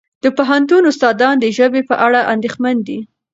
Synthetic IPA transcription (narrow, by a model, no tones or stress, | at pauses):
d̪̥əpoɦant̪̬unʊst̪ɑd̪ɑnd̪əʒəbepəʔaɽaʔand̪exmand̪i